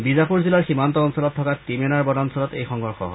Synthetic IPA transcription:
bizapuɹzilaɹximantɔːnsɔlɔtʰːɔkatimɛnaɹbɔdansɔlɔtejxɔŋɦɔɹxɔ̰ɦɔ̰

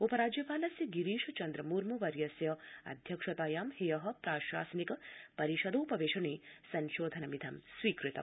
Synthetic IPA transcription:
opɐɾaːd͡ʒjɐpaːlɐsjɐɡiɾiːʃɐt͡ʃɐnd̪ɾɐmuːɾmuʋɐɾjɐsjɐɐ̰d̪ʱjɐkʂɐt̪aːjaːmhejɐɦɐ̆pɾaːʃaːsɐnikɐpɐɾiʃɐd̪oːpɐʋeːʃɐɳeːsɐnʃoːd̪ʱɐnɐmid̪ʱɐmsʋiːkɾit̪ɐ̰m

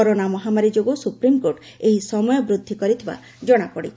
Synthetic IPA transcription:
ɔɾonamɔɦamaɾid͡ʒoɡosupɾimkoɾʈ | eɦisɔmɔjɔbɾud̪ʱːikɔɾit̪ʰiba̰ | d͡ʒɔɽ̃apɔɽḭ

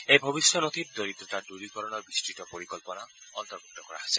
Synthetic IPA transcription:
ejbʱobisjɔnot̪ʰip̚d̪oɾit̪ɔtaduɾikɔɾɔnɔɹbistitɔpoɾikɔlpɔna | ɔnt̪ɔɾɡɔtːɔkɔɹa̰ɦese̥

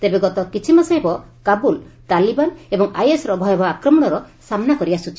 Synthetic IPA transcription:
t̪ebeɡɔt̪ɔkit͡ʃʰimasajbɔkabul | t̪alibanebɔŋajesɾɔbʱɔjɔbaakɾɔmɔɽ̃ɔɾɔ | samnakɔɾiasut͡ʃʰi

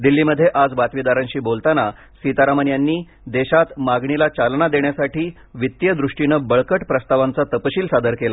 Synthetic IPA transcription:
d̪ilːiːməd̪ʱːjeʔad͡zbat̪ʋid̪aɾaɲɕiːbolt̪ana | sit̪aɾamənjanːiː | d̪eɕat̪maɡɳilat͡ɕalɳad̪eɳjasaʈiː | ʋit̪jəd̪ɾuʂʈinəbəɭkəʈpɾəst̪aʋant͡sat̪əpəɕiːlsad̪əɾkela

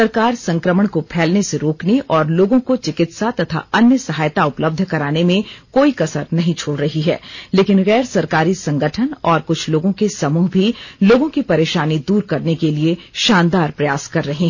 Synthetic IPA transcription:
sɐɾkaːɾsɐ̃ŋkɾəməɽ̃kopʰɛːlneseɾoːkneʔɔːɾloːɡõkot͡ʃɪkɪt̪sat̪ɐt̪ʰa̰ɐnjəsɐɦaːjt̪aʊpləb̚d̪ʱkɐɾaːnemẽkoːikɐsəɾnɐɦĩt͡ʃʰoːɽɾɐɦiɦɛ̰ːleːkɪnɣɛːɾsɐɾkaːɾisɐ̃ŋɡəʈʰənɔːɾkʊt͡ʃʰloːɡõkesɐmuːɦbʱiloːɡõkipɐɾeːʃaːnid̪uːɾkɐɾnekelieʃaːnd̪aːɾpɾɐjaːskɐɾːɐɦẽɦɛ

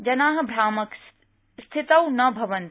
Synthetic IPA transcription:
d͡ʑɐnaːɦə̆bʱɾaːmək | st̪ʰɪt̪əwnɐbʱɐʋən

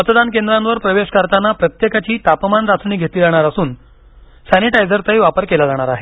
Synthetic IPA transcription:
mət̪d̪ankend̪ɾãnʋəɾpɾəʋeɕkəɾt̪anːapɾət̪jekat͡ɕiːt̪apmanɾat͡sɳiːɡʱet̪iːd͡zaɽ̃aɾasuːn | saniʈajd͡zəɾt̪əjʋapəɾkelad͡zaɽ̃aɾaɦe

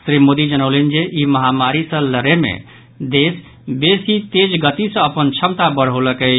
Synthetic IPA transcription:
sɾimod̪id͡ʒənəwlend͡ʒeʔiməɦamaɾisə̃ləɾemḛ | d̪es | besit̪ed͡ʒɡət̪isə̃əpənt͡ʃʰəmt̪abəɽ̤ɦoləkə

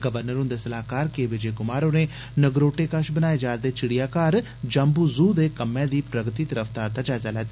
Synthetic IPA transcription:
ɡəʋəɾnəɾʊ̃nd̪eːsəlaːkaːɾkeːʋɪd͡ʒeːkʊmaːɾõːneː | nəɡɾoːʈeːkəʃbənaːeːd͡ʒaːɾd̪eːt͡ʃɪɽijaːkaːɾ | d͡ʒəmbuːzuːd̪eːkəmɛ̃ːd̪iːpɾəɡt̪iːt̪əɾəfʰt̪aːɾt̪aːd͡ʒaːzaːlɛːt̪ː

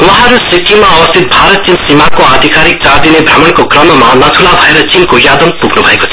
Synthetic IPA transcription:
wʌɦʌɾusikimaʌbʌst̪ʰit̪̚bʱaɾʌt̪̚t͡sinsimakoad̪ʱikaɾik̚t͡sard̪inebʱramʌnkokrʌmmanʌt̪ʰulabʱʌeɾʌt͡sinkojad̪ʌmpuɡnubʱʌeko̥t̪ʰ

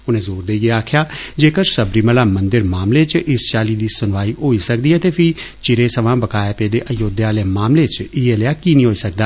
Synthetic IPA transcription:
ʊnẽːzoːɾd̪eːɡeaːkʰjaːd͡ʒeːkəɾsəbɾiːməlaːmənd̪əɾmaːmleːt͡ʃʔɪst͡ʃaːliːd̪iːsʊnʋaːiːɦoːiːsək̚d̪iːɛːt̪eːpʰɪ | t͡ʃɪɾeːsəʋãːbəkaːjeːpeːd̪eːʔəjoːd̪aːleːmaːmleːt͡ʃɪeːleaːkiːnĩːɦoːiːsəkd̪aː

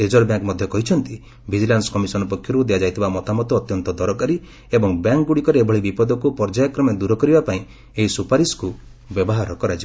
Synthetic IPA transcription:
ed͡ʒɔɾbjaŋkmɔd̪ʱjɔkɔɦit͡ʃʰɔnt̪i | bʱid͡ʒilansɔ̥kɔmisɔnɔpɔkʰjɔɾud̪ejad͡ʒajt̪ʰibamɔt̪amɔt̪ɔːt̪jɔnt̪ɔd̪ɔɾɔkaɾi | ebɔŋbjaŋkɡuɽikɔɾeebʱɔɭibipɔd̪ɔkupɔɾd͡ʒajakɾɔmɔd̪uɾɔkɔɾibapaĩ | eɦisupaɾisku | bjɔbɔɦaɾɔkɔɾat͡ʃi

